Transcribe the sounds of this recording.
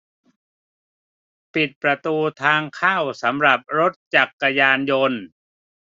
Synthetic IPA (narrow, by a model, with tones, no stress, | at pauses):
pi˨˩t̪̚pɾa˧t̪uː˧t̪ʰaː˧ŋkʰaː˥˩wsa˩˦mɾa˨˩p̚ɾo˦˥t̪̚t͡ɕa˨˩kːa˧jaː˧njo˧n